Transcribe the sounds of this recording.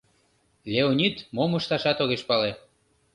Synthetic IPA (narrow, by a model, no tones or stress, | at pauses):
lʲeonʲit̪moməʃt̪ɑʃɑt̪oɣeʃpɑle